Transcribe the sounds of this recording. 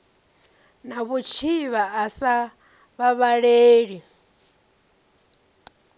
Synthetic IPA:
naβut͡ʃʰiβaːsa | βaβaɺeːɺi

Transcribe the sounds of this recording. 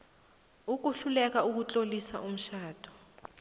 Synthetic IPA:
uk̬uɬulɛkauk̬ut͡ɬʼolisa̰ʔum̩ʃaːd̥ʱɔ̥

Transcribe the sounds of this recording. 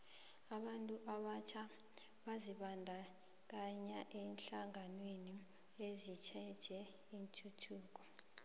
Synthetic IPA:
aɓantʼuʔaɓat͡ʃʰa | ɓaziɓandʱa | k̬aɲaʔɛnɬaŋanweni | ezit͡ʃʰɛd̥ʒ̥ʱɛ | intʰutʰuːk̬ɔ

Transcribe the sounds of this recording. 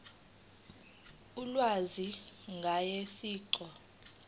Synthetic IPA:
ulwaziŋɡʱajesiːǀɔ

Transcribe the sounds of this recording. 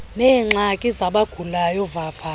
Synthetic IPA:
nɛːŋ͡ǁakʼizaɓaɡ̥ʱulajɔvafa

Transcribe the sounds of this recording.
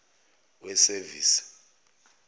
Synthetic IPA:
wɛseviːsi̥

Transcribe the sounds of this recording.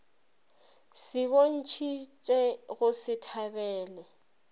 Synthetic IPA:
sɪβon̩t͡ʃʰit͡ʃʼɛɣʊsɪtʰabɛːlɛ

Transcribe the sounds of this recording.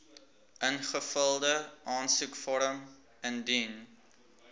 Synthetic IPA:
ʔənχəfəlˠdəʔɑːnsukfɔɾəm | əndin

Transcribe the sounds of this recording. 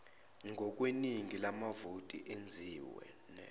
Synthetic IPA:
ŋɡʱɔk̬ʼweniŋʱilamavutʼḭʔend͡zʱiːwɛ̰ | nɛ

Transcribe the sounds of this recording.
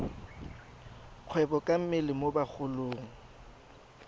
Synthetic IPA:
q͡χʰwɛbɔkʼam̩mɪlɪmobak͡xʰʊloːŋ̩

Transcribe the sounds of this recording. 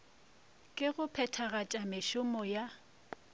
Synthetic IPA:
kʼɪɣʊpʰɛtʰaɣat͡ʃʼamɪʃʊmɔja

